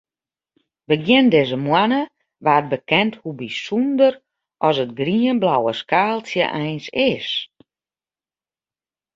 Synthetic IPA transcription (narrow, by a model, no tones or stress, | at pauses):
ʋəɡjɪndɪzəmwanə | ʋaːt̚bəkɛnthubisundər | ʔɔsət̚ɡriənblawəskaːlˠsjəʔɛjnsɪs